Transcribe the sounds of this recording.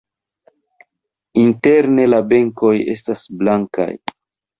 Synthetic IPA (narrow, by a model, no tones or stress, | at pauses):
inte̞ɾne̞labe̞ŋko̞je̞̰stasblaŋka̰j